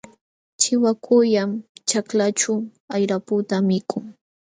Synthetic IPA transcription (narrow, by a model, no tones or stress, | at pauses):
t͡ʃɪwakʰʊjamt͡ʃaklat͡ʃʊ | ajɾapʊt̪amɪkʰʊŋ